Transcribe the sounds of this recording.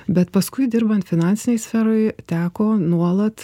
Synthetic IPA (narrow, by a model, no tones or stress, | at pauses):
bʲɛt̪pɐskʊɪd̪ʲɪɾbɐnt̪fʲɪnɑnʲt̪sʲɪnʲɛɪsʲfʲɛɾoːɪt̪ʲæːkoːnuɔlˠɐt̪